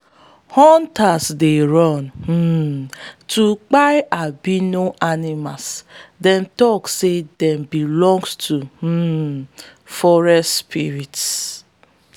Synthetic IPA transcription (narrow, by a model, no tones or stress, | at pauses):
hɔntasdeɾɔnm̩ː | tʰuk͡pajabinoʔanimasdɛntɔksedɛmbilɔ̃ŋɡstʰu | fɔɹɛspiɾits